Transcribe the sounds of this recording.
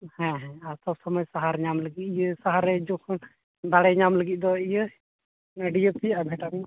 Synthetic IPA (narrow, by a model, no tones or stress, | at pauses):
hɛ̃ɦɛ̃aɾsɔb̚səməd͡ʒsaɦaɾɲamləɡit̪̚ijəsaɦaɾɛd͡ʒɔkʰɔn | d̪aɽɛɲamləɡit̪̚ˀd̪ɔijə | aɖijəpijaʔabʱɛʈam